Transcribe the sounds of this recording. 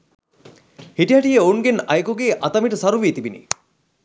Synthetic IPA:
hiʈiɦɐʈijəoŋɡenɐjkuɡeːʔɐt̪ɐmiʈəsɐɾuʋiːt̪ibinḭ

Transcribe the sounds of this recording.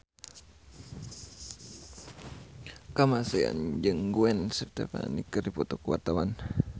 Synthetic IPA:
kamaseja̰nd͡ʒəŋɡuɛnsərt̪apa̰nikəripɔt̪ɔkwa̰rt̪awan

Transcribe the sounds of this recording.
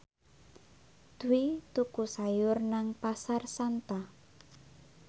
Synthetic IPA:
d̪̥uwit̪ukusajʊrnaŋpasarsant̪a

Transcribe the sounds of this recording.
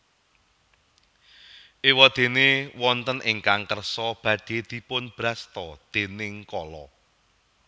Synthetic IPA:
ʔewɔd̪̥e̤newɔnt̪ənʔɪŋkaŋkərsɔb̥ä̤ɖ̪̥e̤d̪̥i̤pʊnb̥ɾast̪ɔd̪̥e̤nɪŋkɔlɔ

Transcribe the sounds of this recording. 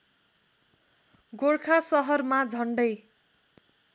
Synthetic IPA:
ɡoɽkʰasʌɦʌrmad͡zʱʌɳɖʌj

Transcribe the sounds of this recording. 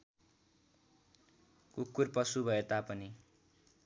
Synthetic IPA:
kukːurpʌsubʱʌet̪apʌni

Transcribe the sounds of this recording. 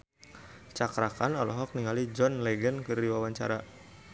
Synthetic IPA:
t͡ʃakɾakanɔlɔɦɔk̚niŋalid͡ʒɔnlɛɡənkəriwawaɲt͡ʃa̰ɾa

